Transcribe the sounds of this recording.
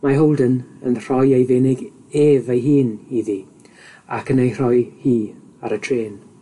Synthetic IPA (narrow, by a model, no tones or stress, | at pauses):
maɦowlˠdənənr̥ɔjejvenɪɡ | eːvejɦiːniði | a̰kʰənejr̥ɔjhiː | aɾətʰreːn